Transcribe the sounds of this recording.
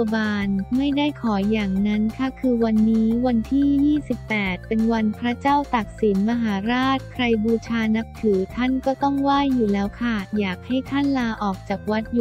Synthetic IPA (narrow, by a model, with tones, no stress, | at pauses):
baː˧nma˥˩jda˥˩jkʰɔː˩˦jaː˨˩ŋna˦˥nkʰa˥˩kʰɯː˧wa˧nːiː˦˥wa˧nt̪ʰiː˥˩jiː˥˩si˨˩pːɛː˨˩t̪̚pe˧nwa˧npʰɾa˦˥t͡ɕaː˥˩wt̪a˨˩k̪̚si˩˦nma˧ɦaː˩˦ɾaː˥˩t̪̚kʰɾa˧jbuː˧t͡ɕʰaː˧na˦˥k̚t̪ʰɯː˩˦t̪ʰa˥˩nkɔː˥˩t̪ɔ˥˩ŋwaː˥˩jːuː˨˩lɛː˦˥wkʰa˥˩jaː˨˩k̚ha˥˩jt̪ʰa˥˩nlaː˧ʔɔː˨˩k̚t͡ɕaː˨˩k̚wa˦˥t̪̚ju˧